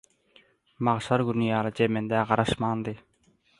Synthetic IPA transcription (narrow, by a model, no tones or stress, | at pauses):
mɑʁʃɑɾɡunijɑːlˠɯd͡ʒemend̪æʁɑɾɑʃmɑːnd̪ɯ